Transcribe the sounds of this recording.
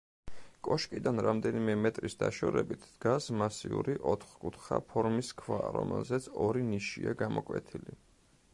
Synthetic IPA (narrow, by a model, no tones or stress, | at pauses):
kʼɔʃkʼid̪anɾamd̪ɛnimɛmɛt̪ʼɾisd̪aʃɔɾɛbit̪ʰd̪̥ɡasmasiuɾiʔɔt̪ʰχkʼut̪ʰχapʰɔɾmiskʰvaɾɔ̰mɛlˠzɛt̪sʰɔɾiniʃiaɡamɔkʼwɛ̰t̪ʰili